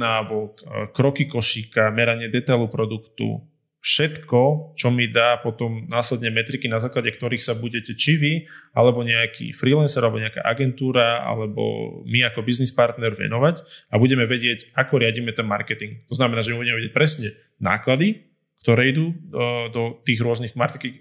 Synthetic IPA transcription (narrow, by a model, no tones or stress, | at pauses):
naːʋɔkkːɾɔkikɔʃikamɛɾaɲɪɛd̪ɛt̪ajlupɾɔd̪ukt̪ṵ | fʃɛt̪kɔt͡ʃɔmid̪aːpɔt̪ɔmnaːslɛd̪ɲɛmɛt̪ɾikinazaːklaɟɛkt̪ɔɾiːxsabuɟɛcɛt͡ʃiʋialɛbɔɲɛakʰḭfɾiːlɛnsɛɾalɛbɔɲɛaka̰ːʔaɡɛnt̪uːɾaa̰lɛbɔ̰miakɔbiznispaɾt̪nɛɾʋɛ̰nɔʋacabuɟɛmɛʋɛɟɪɛcakɔɾɪaɟiːmɛt̪ɛnma̰ɾkɛt̪iŋɡkt̪ɔznamɛnaːʒɛmibuɟɛmɛʋɛɟɛc̚pɾɛsɲɛ | na̰ːklad̪i | kt̪ɔɾɛid̪uːd̪ɔt̪iːɣɾʊɔzniɣmaɾt̪ki